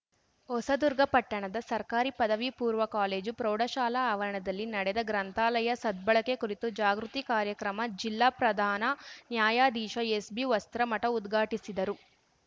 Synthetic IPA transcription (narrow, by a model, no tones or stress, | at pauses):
ɔsɐd̪uɾɡɐpɐʈːɐɳɐd̪ɐsɐɾkaːɾipɐd̪ɐʋipuːɾʋɐkaːle̞ːd͡ʒupɾoːɽɐʃaːlɐːʋɐɾɐɳɐd̪ɐlːinɐɽɛd̪ɐɡɾɐnt̪ʰaːlɐjɐsɐd̪̚bɐɭɐkekuɾit̪ud͡ʒaːɡɾut̪ikaːɾjɐkɾɐmɐd͡ʒilːaːpɾɐd̪ʱaːnɐnjaːjaːd̪iːʃɐesbiʋɐst̪ɾɐmɐʈɐud̪ɡʱaːʈisid̪ɐɾu